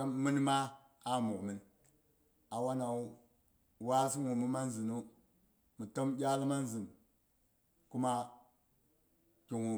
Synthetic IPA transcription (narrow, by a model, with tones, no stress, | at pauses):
a˦mi˦n˦ma˦ | a˦mu˨kmi˦n | a˨wa˦na˨u˦ | wa˦si˦ŋu˨mi˦ma˦n˦zi˨nu˦ | mi˨to˦mɟʲa˦lma˦n˦zi˨m | ku˦ma˦ | kʲi˨ŋu˨